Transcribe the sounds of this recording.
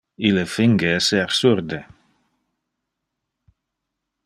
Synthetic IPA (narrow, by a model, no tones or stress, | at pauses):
ɪləfɪŋɡəseːɾsʉɾd̪ə